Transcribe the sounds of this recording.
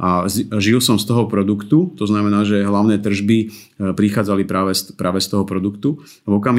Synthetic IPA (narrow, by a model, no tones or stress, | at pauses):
ʔazʒilsɔmst̪ɔɦɔpɾɔd̪ukt̪ut̪ɔznamɛnaːʒɛɦlaʊnɛːt̪r̩ʒbi | pɾixaːd͡zalipɾaːʋɛspɾaːʋɛst̪ɔɦɔpɾɔd̪ukt̪u | vɔkam